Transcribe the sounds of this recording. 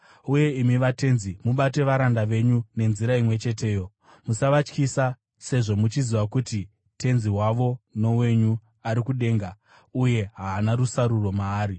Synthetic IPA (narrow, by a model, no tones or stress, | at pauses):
uje̞imiʋate̞nzimuɓate̞ʋaɾandaʋe̞ɲune̞nziɾaimwe̞t͡ʃe̞t̬e̞ːjo̞ | musaʋat͡ʃkisa | se̞ʐo̞mut͡ʃiziʋakuti | te̞nziwaʋo̞no̞we̞ɲu | aɾikuɗe̞ːŋɡa | uje̞ɦaːnarusaɾuro̞maːɾi